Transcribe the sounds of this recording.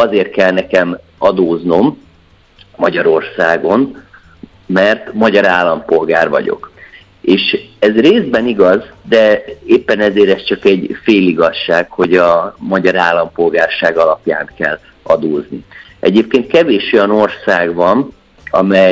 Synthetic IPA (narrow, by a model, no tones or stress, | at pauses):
ɒzeːrt̪̚kɛlnɛkɛmɒd̪oːzno̞m | mɒɟɒɾo̞rsaːɡo̞n | mɛrt̪mɒɟɒɾaːlːɒmpo̞lɡaːrvɒ̰ɟo̞̰k | eːʃɛzreːzbɛniɡɒzd̪ɛeːpːɛnɛzeːɾɛst͡ʃɒkɛɟfeːliɡɒʃːaːkho̞ɟɒmɒɟɒɾaːlːɒmpo̞lɡaːrʃaːɡɒlɒpja̰ːnkɛlː | ɒd̪oːzni | ʔɛ̰ɟeːp̚keːnt̪̚kɛveːʃojɒno̞rsaːɡvɒn | ɒ̰mɛj